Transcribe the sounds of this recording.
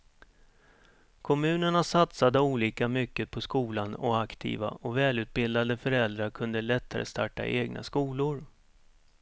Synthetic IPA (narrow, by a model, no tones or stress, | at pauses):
kʰɔmʉ̟ːnəɳasat̪sad̪əuːliːkamʏkːəpʰɔskuːlanɔakt̪ʰḭːva̰ʔɔvɛːlʉ̟ːt̪̚bɪld̪ad̪əfœɾɛld̪ɾaɾkʰɵnd̪əlɛt̪ʰːaɾə̰st̪ʰaʈːa̰ʔeːɡnʔa̰skuːlʊɾ